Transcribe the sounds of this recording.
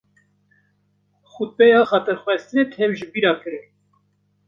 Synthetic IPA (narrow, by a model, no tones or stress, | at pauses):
xut̪̚pɛjɑxɑt̪əɾxwɛst̪ɨnet̪ʰhɛwʒɨbiɾɑkɨɾɨ